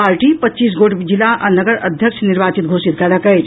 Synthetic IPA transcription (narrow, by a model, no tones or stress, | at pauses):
paɾʈipətːt͡ʃiːs̬ɡoʈd͡ʒilaʔənəɡəɾəd̪ʱjəkʃʰniɾbat͡ʃit̪̚ɡʱosit̪̚kɛləkəjt͡ʃ